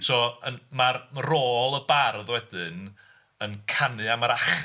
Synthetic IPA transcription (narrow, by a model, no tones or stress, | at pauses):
sʰɔːənmarroːlˠəbarðwɛdɨn | ənkʰanɨamaɾaχ